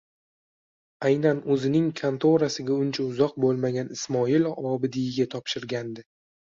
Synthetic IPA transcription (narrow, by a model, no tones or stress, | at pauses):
ajnanɵzɪnɪŋkʰant̪ʰoɾasɪɡʲaʊnt͡ʃʰaʊzɒq̚bolˠmaɡʲanɪsmɒɪlɒbɪd̪ɪjɪɡʲat̪ʰɒpʃɪɾɡʲand̪ɪ